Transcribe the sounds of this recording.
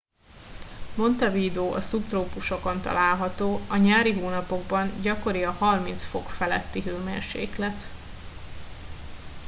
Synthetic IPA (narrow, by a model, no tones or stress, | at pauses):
mo̞nt̪ɒviːd̪oːʔɒsupt̪roːpuʃo̞ko̞nt̪ɒ̰laːlɦɒt̪oːɒɲaːɾiɦoːnɒpo̞ɡ̚bɒnɟɒko̞ɾiɒhɒrmint̪sfo̞kfɛlɛt̪ːiɦøːmḛːrʃḛːklɛt̪